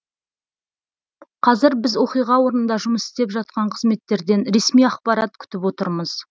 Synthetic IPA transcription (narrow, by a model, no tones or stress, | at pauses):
qʰɑzɪɾbɪzwo̞qijʁɑwo̞ɾnənd̪ɑʒʊməsɪ̥st̪e̞pʒɑt̪̚qɑɴqʰəzme̞t̪ːe̞ɾd̪e̞nɾe̞smijɑqpɑɾɑt̪̚kʲʰʏ̥t̪ɪpwo̞t̪əɾməz̥